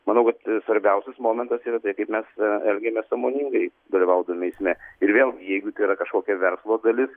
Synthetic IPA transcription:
mɐnɐʊkɐt̪sʋɐɾʲbʲɛʊsʲɛsmoːmʲɛnt̪ɐsiːɾɐt̪ɐɪkɐɪpmʲɛsɛlʲɡʲɛmʲɛsɑːmoːnʲiŋɡɐɪd̪ɐlʲɪʋɐʊd̪ɐmʲɛɪsʲmʲɛɪɾʋʲeːlˠɡʲɪjɛɪɡʊt̪ɐɪiɾɐkɐʃkoːkʲɛʋʲɛɾslˠoːd̪ɐlʲɪs

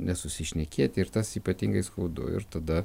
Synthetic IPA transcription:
nʲɛsʊsʲɪʃʲnʲɛkʲiɛt̪ʲɪɾt̪ɐsiːpɐt̪ʲiŋɡɐɪskɐʊd̪ʊ̰ɪ̰ɾt̪ɐd̪ɐ

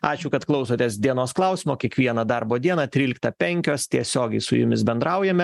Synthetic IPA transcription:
ɑːt͡ʃʲʊkɐt̪klˠɐʊsoːt̪ʲeːsd̪ʲiɛnoːsklˠɐˑʊsʲɪmoːkʲiɛkʋʲiɛnɐd̪ɐɾboːd̪ʲiɛnɐt̪ʲɾʲiːlʲɪk̚t̪ɐpʲɛŋʲkʲoːst̪ʲiɛsʲoːɡʲɛɪsʊ̰jʊ̰mʲɪsbʲɛnd̪ɾɐʊjɛmʲɛ

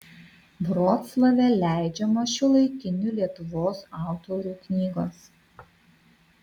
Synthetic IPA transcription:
bɾoːt̪slˠɐʋʲɛlʲæˑɪd͡ʒʲɛmoʃʲʊlˠɐɪkʲɪnʲulʲiɛt̪ʊʋoːsɑˑʊt̪ɔɾʲuːknʲiːɡoːs

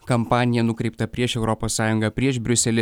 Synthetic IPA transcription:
kɐmpɑːnʲɪjɛnʊkɾʲɛɪpt̪ɐpʲɾʲiɛʃɛʊɾɔpoːsːɑːjʊŋɡɑːpʲɾʲiɛʃbʲɾʲʊsʲɛlʲɪ

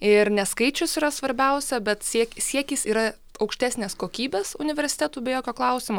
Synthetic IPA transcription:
ɪɾnʲɛskɐɪt͡ʃʲʊsiːɾɐsʋɐɾʲbʲɛʊsʲɛbʲɛt̪sʲiɛkʲsʲiɛkʲiːsiːɾɐ | ɐʊkʃʲt̪ʲæːsʲnʲeːskoːkʲiːbʲeːsʊnʲɪʋʲɛɾʲsʲɪ̥t̪ʲæːt̪uːbʲɛjoːkʲoːklˠɐʊsʲɪmoː

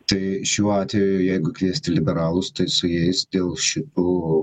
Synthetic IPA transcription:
t̪ɐɪʃʲuːɑːt̪ʲʋʲejʊʊjɛɪɡʊkʋʲiɛsʲt̪ʲɪlʲɪbʲɛɾɑːlˠʊst̪ɐɪsʊjɛɪsd̪ʲeːlˠʃʲɪt̪uː

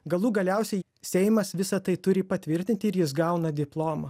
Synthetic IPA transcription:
ɡɐlˠuːɡɐlʲɛˑʊsʲɛɪ | sʲɛɪmɐsʋʲɪsɐt̪ɐɪt̪ʊɾʲɪpɐt̪ʲʋʲɪɾʲt̪ʲɪnʲt̪ʲɪɪɾjɪs̬ɡɐʊnɐd̪ʲɪplˠoːmɐ

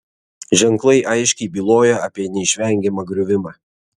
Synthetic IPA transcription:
ʒʲɛŋˑklˠɐɪʔɐɪʃʲkʲɛɪbʲiːlˠoːjɛɐpʲiɛnʲɛɪʃʲʋʲɛˑŋʲɡʲɛmɐɡɾʲʊʋʲɪmɑː

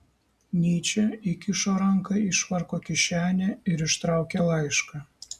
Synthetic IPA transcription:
nʲit͡ɕĕikʲyʃoɾɑŋkɑiʃβɑrkokʲiɕænʲĕyɾʲɘ̆ʃt̪ɾɑwkʲelˠɑjʃkɑ

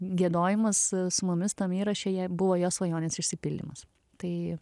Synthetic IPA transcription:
ɡʲiɛd̪oːjɪmɐssʊmʊmʲɪst̪ɐmiːɾɐʃʲeːjɛbʊʋoːjoːsʋɐjoːnʲeːsɪʃʲsʲɪpʲɪlʲd̪ʲḭmɐs | t̪ɐɪ

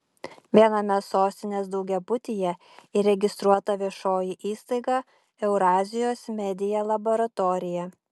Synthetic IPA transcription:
ʋʲiɛnɐmʲɛsoːsʲt̪ʲɪnʲeːs̬d̪ɒʊɡʲɛbʊt̪ʲijɛ | ɪɾʲɛɡʲɪst̪ɾuɔt̪ɐʋʲiɛʃoːjɪʔiːst̪ɐɪɡɑ | ɛʊɾɑːzʲɪjoːsmʲɛd̪ʲɪjɛlˠɐbɔɾɐt̪ɔɾʲɪjɛ

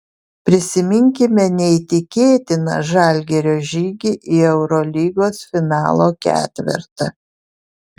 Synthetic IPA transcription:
pʲɾʲɪsʲɪmʲɪŋʲkʲɪmʲɛnʲɛɪt̪ʲɪkʲeːt̪ʲɪnɐ̰ʒɑˑlʲɡʲɛɾʲoːʒʲiːɡʲiʔɪɛʊɾɔlʲiːɡoːsfʲɪnɑːlˠoːkʲæ̰ːt̪ʲʋʲɪ̰ɾt̪ɐ

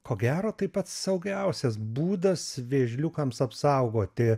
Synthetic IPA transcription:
koːɡʲæːɾoːt̪ɐɪpɐt̪sɐʊɡʲɛʊsʲɛsbuːd̪ɐsʋʲeːʒʲlʲʊkɐmsɐpsɐʊɡoːt̪ʲɪ

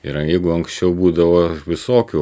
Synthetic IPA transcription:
ɪɾjɛɪɡʊɐŋksʲt͡ʃʲɛʊbuːd̪ɐʋoːʋʲɪsoːkʲu

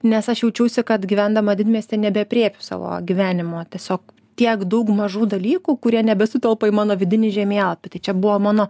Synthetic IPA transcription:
nʲɛsɐʃjɛʊt͡ʃʲɛʊsʲɪkɐt̪ɡʲiʋʲænd̪ɐmɐd̪ʲɪd̪ʲmʲiɛsʲt̪ʲɛnʲɛbʲɛɐpʲɾʲeːpʲʊsɑ̰ːʋo̰ːɡʲiʋʲæːnʲɪmoːt̪ʲiɛsʲoːk | t̪ʲiɛkd̪ɐʊkmɐʒuːd̪ɐlʲiːkuːkʊɾʲiɛnʲɛbʲɛsʊt̪ʲɛlˠpɐiːmɑːnoːʋʲɪd̪ʲɪnʲɪʒʲɛmʲeːɛlˠpʲɪt̪ɐɪt͡ʃʲɛbʊʋoːmɑːnoː

